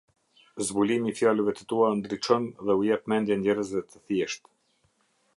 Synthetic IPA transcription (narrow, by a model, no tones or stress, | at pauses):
zbulimifjaləvɛt̪ə̥t̪uand̪ɾit͡ʃɔnðɛujɛp̚mɛnd̪jɛnd̪ɛɾəzvɛt̪ə̥θjɛʃt̪